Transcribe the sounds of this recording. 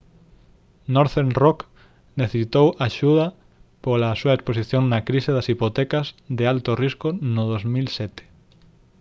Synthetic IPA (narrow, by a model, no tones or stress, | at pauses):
noɾθenrok | neθesit̪owʔaʃuðɐ | polasuɐeksposiθjoŋnɐkɾiseðɐsipot̪ɛkɐzd̪ealt̪oriskʊnʊðozmilsɛt̪e̥